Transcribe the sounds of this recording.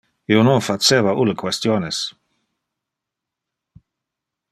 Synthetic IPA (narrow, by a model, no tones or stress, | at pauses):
iononfat͡ʃeːvaʔulkwest̪joːnes